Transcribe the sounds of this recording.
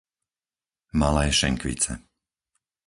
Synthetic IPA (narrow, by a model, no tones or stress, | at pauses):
malɛːʃɛ̰ŋkʋḭt͡sɛ̰